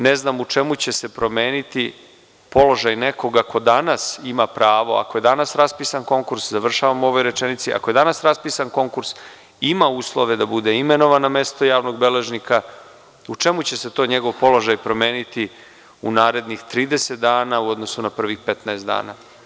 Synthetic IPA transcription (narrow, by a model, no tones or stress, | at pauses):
neznamut͡ʂe̞mut͡ɕe̞se̞pɾo̞me̞ːnit̪i | po̞lo̞ʒajne̞ko̞ɡakʰo̞d̪anasimapɾaːʋo̞̰a̰koje̞d̪anasɾaspiːsanko̞ŋkuɾszaʋr̩ʃaʋamo̞ʋojɾe̞t͡ʃenit̪siʔa̰koje̞d̪anasɾaspiːsanko̞ŋkuɾs | imauːslˠo̞ʋe̞d̪abud̪e̞ime̞no̞ʋaname̞st̪o̞jaːʋno̞ɡ̚be̞le̞ʒnika | ut͡ʂe̞mut͡ɕe̞set̪o̞ːɲe̞ɡo̞ʋpo̞lˠo̞ʒajpɾo̞meːnit̪i | unaːɾe̞d̪nixt̪ɾiːd̪e̞set̪̚d̪aːnauo̞d̪no̞sunapr̩ʋixpe̞t̪naest̪d̪a̰ːna